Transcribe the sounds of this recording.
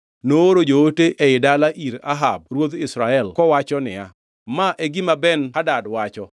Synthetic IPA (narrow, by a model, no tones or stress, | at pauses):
nooɾod͡ʒooteʔeɪdalaʔiɾa̰ɦab̚ɾwod̪ɪsɾaɛlkɔwat͡ʃɔnɪ̰a̰ | maʔeɡɪmabɛnadadwat͡ʃɔ